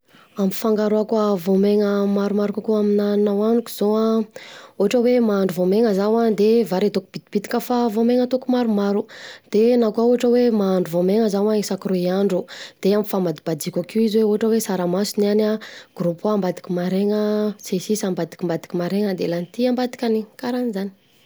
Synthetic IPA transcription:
ami̥faŋɡaɾoakavomeŋəmaɾumaɾukakuaminaninawanuku̥z̥oa | oaʈ͡ʂəwemaːɳɖ͡ʐuvomeŋəzawad̪evaɾet̪okub̥id̪ib̥it̪i̥kəfavomeŋət̪okumaɾumaɾud̪̥enakauɦaʈ͡ʂəwemaːɳɖ͡ʐuvomeŋəzawaisakɾoiaɳɖ͡ʐud̪̥eamifamad̪ib̥ad̪ikʲakiizweoɦaʈ͡ʂəwesaɾamasunanaɡ̥ɾupambad̪i̥kimaɾeŋəsesisambad̪i̥kʲimbad̪i̥kʲimaɾeŋəd̪elanit̪iambad̪i̥kʲanikaɾanizani̥

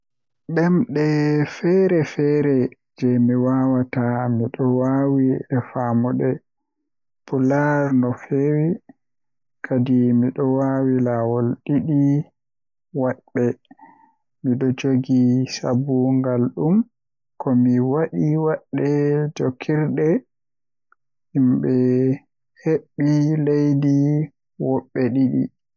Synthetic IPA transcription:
ɓɛmɗɛfɛɾɛfɛɾɛ | d͡ʒɛmiwawatamiɗɔwawiɛfamɔɗɛ | pulaɾnɔfewi | kʰadimiɗɔwawilawɔlɗiɗi | waɗɓɛ | miɗɔd͡ʒoɡisa̰buŋɡalɗum | kɔmiwaɗiwaɗːɛd͡ʒokʰːiɾɗɛ | imɓɛ | heɓːilejdi | wɔɓːɛɗiɗḭ

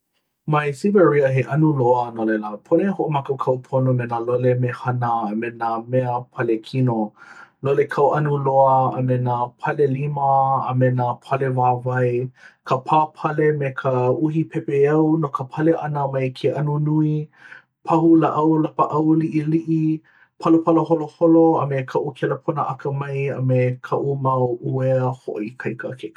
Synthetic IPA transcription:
majsivəɹiəɦeʔɐnuloənolɛləpʰonehoʔomakokʰɐwpʰonomenaːlolemehɐnəːmenaːmɛəpʰɐlekʰinololekʰɐwʔɐnuloəəmenaːpʰɐleliməə̰menaːpʰɐlevaːvɐjkʰəpʰaːpʰɐlemekʰəuhipʰɛpeɐwnokəpʰɐleʔɐnəmɐjkʰeʔɐnunui | pʰɐɦulaʔɐwlɐpəʔɐwliʔiliʔi | pʰɐlopʰɐloɦoloholoɐmekʰɐʔukʰeləpʰonəʔɐkəmɐjə̰mekʰɐʔumɐwueəho̰ʔikʰɐjkəke

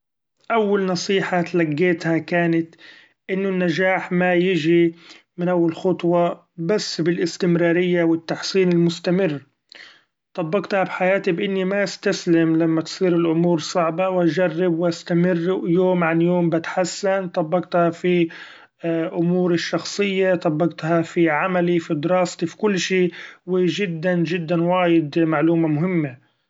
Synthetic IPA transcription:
ʔawːalnɑsˤiːħat̪laɡːeːt̪hakaːnat̪ | ʔɪnːʊnːaʒaːħmajɪʒi | mɪnʔawːalxʊt̪ˤwɑ | basːbɪlʔɪst̪ɪmɾɑːɾɪjːawɪt̪ːaħsiːnɪlmʊst̪amɪrː | t̪ˤɑbːɑɡt̪habħajaːt̪ibʔɪnːimaʔɪst̪aslɪmlamːat̪sˤiːɾɪlʔʊmuːɾsˤɑʕbɑwʔd͡ʒarːɪbwʔast̪amɪrːjoːmʕanjoːmbɪt̪ħasːant̪ˤɑbːɑɡt̪hafi | ʔʊmuːɾɪʃːɑxsˤɨjːat̪ˤɑbːɑqt̪hafiʕamalifid̪ɪɾɑːst̪ˤifi̥kʊlːʃiːwɪʒɪd̪ːand͡ʒɪd̪ːanwaːjɪd̪maʕluːmamʊɦɪmːa

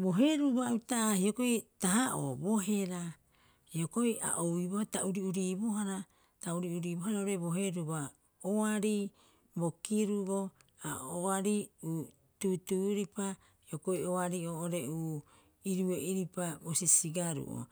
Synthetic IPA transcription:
bo̞ɦe̞ɾuβautaːhiokoitaɦaʔobo̞ɦe̞ɾa | hioko̞ja̰ʔowiβotauɾiuɾiboɦaɾa | tauɾiuɾiːboɦaɾaoɾeboɦe̞ɾuβa | oaɾi | bokiɾuβo̞aoaɾiu | tutuɾipa | hiokoioaɾioʔoɾeuː | iɾueʔiɾipabosisiɡaɾṵʔo̰

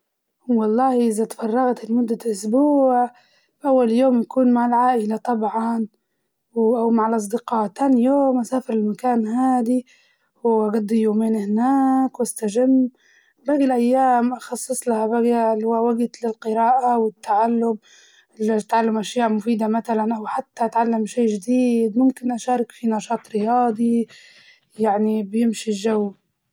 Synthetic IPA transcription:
wɑlˤːɑːhʔɪzat̪fɑrˤːɑɣat̪lmʊd̪ːaʔʊsbuːʕ | fʔawːaljoːmjakuːnmaʕalʕaːʔɪlat̪ˤɑbʕɑn | wʔawmaʕɪlʔɑs̬ˤd̪ɪqɑːʔt̪ːaːnjoːmʔasaːfɪɾɪlmakaːnɦaːd̪i | wʔaɡad̪ːjoːmeːnhɪnaːkwast̪aʒamː | baːɡilʔajːaːmʔɑxɑsˤːɨsˤlahabaɡalwawaɡt̪lɪlqɨɾaːʔawɪt̪ːaʕalːʊm | lt̪ʕalːamʔaʃjaːʕmʊfiːd̪amat̪alanʔawħat̪ːaʔat̪ʕalːamʃeːʒd̪iːd̪mʊmkɪnʔaʃɑːɾˤɪkfinɑʃɑːt̪ˤɾɪjɑːd̪ˤi | jaʕnibjɪmʃiʒawː

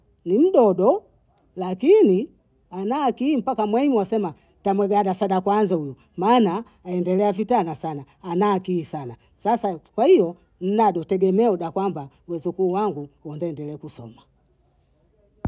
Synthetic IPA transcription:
nim̩ɗɔɗɔ | lakini | anaːkiːm̩pakamwɛɲuwasɛma | tamwɛɡaɗasaɗakwanzauju | maːnaː | ɛndɛlɛavitanasanaːnaːkiːsana | sasakwahijɔ | n̩naɗɔtɛɡɛmɛɔɗakwamba | wɛzukuːwaŋɡuwɔndɛːndɛlɛkusɔ̰ma

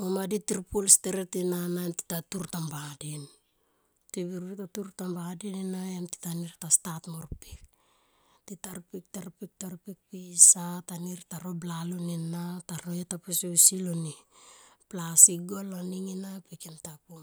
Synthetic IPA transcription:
omaditiɾpulsteɾetinananti̥tatuɾtambadin | tiβiɾitatuɾtambadininajanti̥taniɾtastatmoɾpik̚ | titaɾpik̚taɾpik̚taɾpik̚pisataniɾtaɾo̞blalonenataɾoetapusesiloni | plasiɡolaniŋinapikentapum

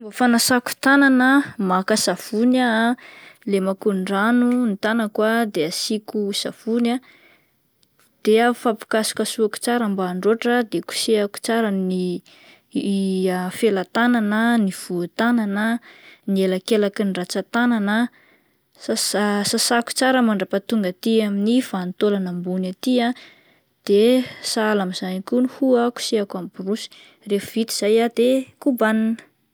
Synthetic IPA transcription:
bafanasaku̥t̪ananəmakasav̥una | lemakuɳɖ͡ʐanunit̪anakwad̪easikusav̥una | d̪̥eafapi̥kasi̥kʲasuaku̥t͡saɾambaːɳɖ͡ʐoʈ͡ʂəd̪eku̥seaku̥t͡saɾəni | afelat̪ananəniv̥uat̪ananənielakelakinrat͡sat̪ananə | sasasasaku̥t͡saɾəmaɳɖ͡ʐapat̪uŋɡat̪iaminifant̪olanambunat̪ia | d̪̥esalamiz̥anikunuhuaku̥seakamburusi̥ | refvit̪iz̥ajad̪̥ekubaninə̥

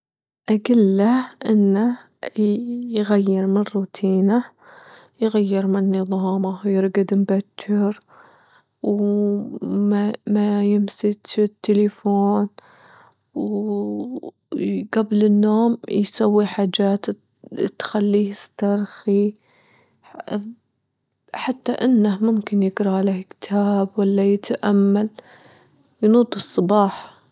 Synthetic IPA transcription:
ʔaɡɪlːaʔɪnːa | jɣajːɪɾmɪrːuːt̪ʰiːna | jɣajːɪɾmɪnːɨðˤɑːmajɪɾɡad̪ɪmbat͡ʃːɪɾ | w | majɪmsɪt̪ɪt̪ːɪlafoːn | w | ɡablɪnːoːmjsawːiħaːd͡ʒaːt̪ | t̪xalːiːhɪst̪ɑɾˤxi | ħat̪ːaʔɪnːahmʊmkɪnjɪɡɾˤɑlahkt̪ʰaːbwalːajɪt̪ʔamːal | jnuːt̪ˤɨsˤːɑbɑːħɑ̥

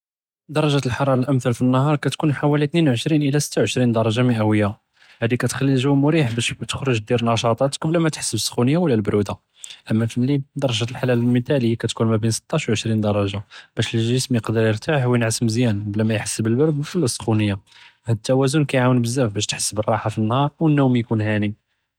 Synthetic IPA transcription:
d̪ɑɾˤɑʒæt̪əlħɑɾˤɑɾˤɑlʔəmθælfinːɑhɑɾˤkæt̪kunħawælit̪ninwʕəʃɾinʔəlæsə̥t̪ːawʕəʃɾind̪ɑɾˤɑʒaməʔæwəjːa | hæd̪ikæt̪xælːilʒuwmʊɾiħbæʃt̪ə̥xɾˤoʒd̪iɾnɑʃɑt̪ˤɑt̪ə̥kblæmæt̪ħə̥sːəbəsːxunəjːawəlːælbɾud̪a | ʔəmːæfəlːid̪ɑɾˤɑʒalħalællmət̪æləjːakæt̪kunmæbinsə̥t̪ːɑʃwʕəʃɾind̪ɑɾˤɑʒab̥æʃlʒəsmjəqd̪əɾjəɾt̪ʰaħwjənʕasəmzjænblæmæjħə̥sːəbəlbəɾd̪wəlːæsˤːə̥xunəjːa | hæd̪ət̪ːæwæzunkæjʕawənbəzːæfbæʃt̪ħə̥sːəbərˤɑħafinːhɑɾˤwənːumjkunhæni

